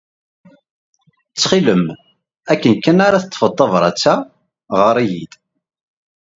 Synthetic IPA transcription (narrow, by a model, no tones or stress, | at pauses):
t͡sːχiləm | ækːənkːænaɾaθət̪ˤːfət̪ˤːɑvɾˤɑ̰t͡sːæ | ʁəɾˤijḭd̪̥